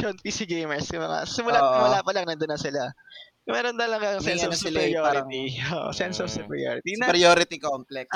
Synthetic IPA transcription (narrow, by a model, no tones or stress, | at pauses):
ʃonpisiɡejmɛɹsjɐmɐŋa̰sɪmʊlaɪmʊlaːpɐlɐŋnɐd̪ʊnːɐsɪla | mɛːɾont̪ɐlɐɡaŋsɛnoɐsɪjoɾɪt̪ioːʔo̰sɛnsofsɐpɾɪ̰jo̰ːɾɪt̪inpɾɪjoːɾɪt̪ikomplɛks